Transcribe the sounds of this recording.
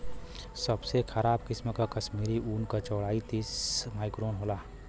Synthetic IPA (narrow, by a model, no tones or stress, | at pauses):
səbsekʰəɾaːbkɪsmkakəʃmiːɾiʔuːnkat͡ʃɔːɽaːit̪iːsmaːɪkɾoːnɦoːlaː